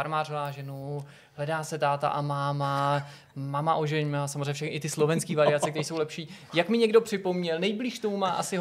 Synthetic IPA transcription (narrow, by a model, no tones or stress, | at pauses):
aɾmaːrovaːʒɛnu | ɦlɛdaːsɛt̪aːt̪a̰ʔamaːma | mamaʔoʒɛɲmaːsamozreɲːɛfʃɛxɛʔɪt̪ɪslo̞vɛnskiːvaɾɪat͡sɛk̚t̪ɛɾiːso̞wlɛpʃiː | jakmɪɲɛɡdo̞pr̝̥ɪpo̞mɲɛlnɛjbliːʃt̪omumaːʔasɪ